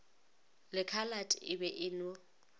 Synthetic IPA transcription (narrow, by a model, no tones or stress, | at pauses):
lɪkʰalatʼɪbɛʔɪno